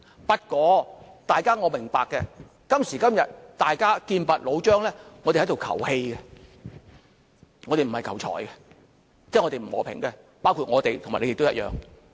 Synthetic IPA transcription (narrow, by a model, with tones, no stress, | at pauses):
pɐ˧˥t̚kɔː˨˧t̪aː˨jkaː˥ŋɔː˨˧mɪ˨˩ŋpaː˨kːɛ˧ | kɐ˥msiː˨˩kɐ˥mjɐ˨t̚t̪aː˨jkaː˥kiː˧npɐ˨t̚lo˨˧wt͡ʃœː˥ŋlɛː˥ŋː˨˧t̪e˨˩ht̪o˨wkʰɐ̰˨˩whe˧jɡɛ˧ | ŋɔː˨˧t̪e˨jm̩˨˩hɐ˨jkʰɐ˨˩wt͡ʃʰɔ̰ː˨˩jkɛ˧ | t͡sɛː˥ŋɔ˨˧t̪e˨m̩˨˩hɔ̰ː˨˩pʰɪ̰˨˩ŋkɛ˧ | paː˥wkʰuː˧t̚ŋɔː˨˧t̪e˨jt̪ʰmaː˨˩ne˧jɪ˨kto˥jɐ˥jœ̰ː˨˧ŋ